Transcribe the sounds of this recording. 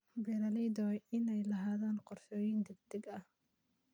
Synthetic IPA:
bɛlɐlɛjd̪ɔɪnɛjlɐɦaːðaːnqɔrʃɔːjɪnd̪ɐɡd̪ɛɡɐh

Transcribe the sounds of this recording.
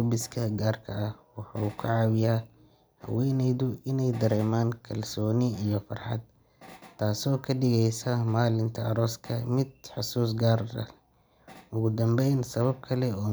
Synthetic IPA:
ɔbɪskʰɐɡaːrkʰɐɐhwɑħɑːkʰʊʕɑːwɪjaː | hɐ̰wɛːnɛjðʊʔɪnɛjd̪ɐɾɛːmaːnkʰɐlsɔːnɪijɞfɑ̰rħɑ̰d̪̚ | t̪ʰːaːsɔːkʰɐɖɪɣɛjsɐmaːlɪnt̪ʰɐɐɾɔːskʰɐmɪd̪̚ħɑsuːs̬ɡaːrɐ̰ | ʊɣʊd̪ɐmbɛjnsɐβɐb̚kʰɐlɛɔː

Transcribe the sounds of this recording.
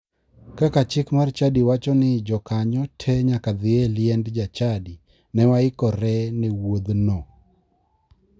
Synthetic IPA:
kakat͡ʃɪkmart͡ʃadiwat͡ʃɔnɪd͡ʒɔkaɲɔtʰɛɲakad̪ɪɛljɛndd͡ʒat͡ʃadi | nɛwaɪkɔɾɛnɛwod̪nɔ

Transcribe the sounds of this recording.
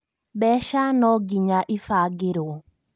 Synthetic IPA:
bɛʃanɔɡiɲaʔifaɡɪɾo

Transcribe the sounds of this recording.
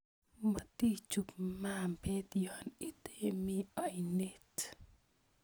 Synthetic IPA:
mat̪it͡ʃukmampet̪jonit̪emiajnit̪

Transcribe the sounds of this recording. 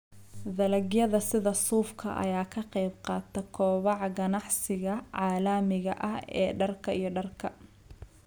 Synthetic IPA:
ðɐlɐɣjɐðɐsɪðɐsuːfkʰɐ̰ʔɐ̰jaːkʰɐqɛjbqɑːt̪ʰɐkʰɔːβɑʕɡɐnɑʕsɪɣɐʕaːlaːmɪɣɐʔɐɦɛːɖɐrkʰɐʔijɞɖɐrkʰɐ

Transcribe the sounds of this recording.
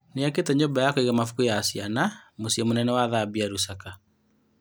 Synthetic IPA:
neaketɛɲoːbajakoiɣamafukujasianamosiɛmonɛnɛwaðabiaɾusaka

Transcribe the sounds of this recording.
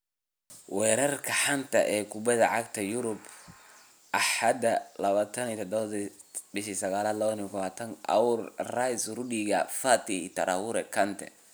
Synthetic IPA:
wɛːɾɐrkʰɐħɐnt̪ʰɐʔɛːkʰʊbɐðɐʕɑɡt̪ʰɐjʊɾʊb | ʔɐħɑd̪ɐlɐβaːt̪ʰɐnit̪ʰɔd̪ɔβɐð | bɪʃisɐɣaːlaːd̪lɐβniɡɐβaːt̪ʰɐnʔɐ̰wʊrrajsrʊɖiɣɐfat̪ʰɪḭt̪ʰɐɾʔawʊɾɛkʰɐnt̪ʰɛ̰

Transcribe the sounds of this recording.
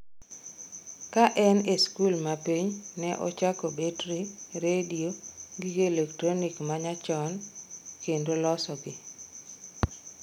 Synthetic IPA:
kaʔɛneskulmapiɲnɛʔɔ̰t͡ʃakobetɾiɾedioɡiɡelektɾonikmaɲat͡ʃɔnkendolɔsɔɡɪ

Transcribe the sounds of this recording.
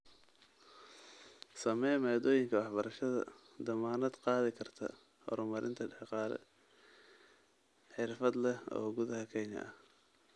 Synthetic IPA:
sɐmɛːmɛːd̪ɔːjɪŋkʰɐwɑħbɐɾɐʃɐðɐ̰ | d̪ɐmaːnɐd̪qɑːðɪkʰɐrt̪ʰɐ̰ | hɔ̰ɾʊmɐɾʔɪ̰nt̪ʰɐɖɛħqɑːɾɛ̰ | ħɪrfɐd̪lɛɔ̰ːɡʊðɐɦɐkʰɛɲɐ̰ʔɐh

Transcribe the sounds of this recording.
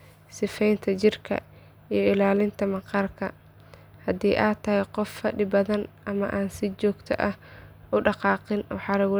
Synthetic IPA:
sɪfɛjnt̪ʰɐt͡ʃɪrkʰɐ̰ | ijɞɪlaːlɪnt̪ʰɐmɐqɑrkʰɐ | hɐd̪iːʔaːt̪ʰɐɦɛjqɔfːɐɖɪbɐðɐnʔɐmɐʔaːnsɪt͡ʃɔːɡt̪ʰɐ̰ʔɐh | ʔʊɖɑqɑːqɪnwɑħɑːlɐɣʊ

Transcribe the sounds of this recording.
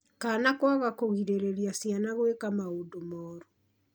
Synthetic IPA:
kaːnakwaɣakoɣiɾeɾeɾjasjanaɣwekamaodomɔːɾu

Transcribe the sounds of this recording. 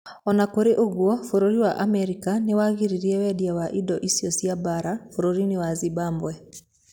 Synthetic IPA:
ɔnakoɾeʔoɣwɔfoɾoɾiwaʔamɛɾikanewaɣiɾiɾiɛwɛdiawaʔidɔʔisjɔsjabaɾafoɾoɾinewazibaːmbwɛ

